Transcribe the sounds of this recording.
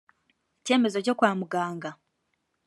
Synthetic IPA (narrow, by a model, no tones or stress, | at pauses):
ece̞ːmezo̞co̞kwaːmuɡaːŋɡa